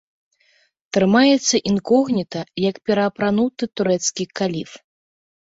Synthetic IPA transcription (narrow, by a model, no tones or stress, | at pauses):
t̪ɾɨmajɛt̪sːɐʔinkɔɣnʲit̪ɐjɐkpʲɛɾɐːpɾanut̪ɨt̪uɾɛt̪skʲikalʲif